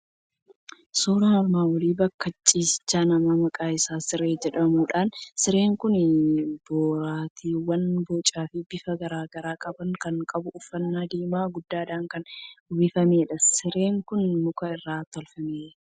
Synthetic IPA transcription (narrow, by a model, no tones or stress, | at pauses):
soːɾaɐɾmaːwɐliːbɐkːɐt͡ʃʼːiːsɪ̥t͡ʃːaːnɐmaːmɐkʼaːɪsaːsɪɾeːd͡ʒɛᶑɐmuːᶑaːnsɪɾe̞ːŋkʊnboːɾaːt̪ʰiːwɐnboːt͡ʃʼaːfɪbɪfɐɡɐɾaːɡɐɾaːkʼɐbɐŋkɐŋkʼɐbʊʔʊfːɐnːaːd̪eːmaːɡʊd̪ːaːd̪aːŋkɐnwɪfɐmeːᶑɐsɪɾe̞ːŋkʊnmʊkɐɪrːaːt̪ɔlfɐmeːᶑ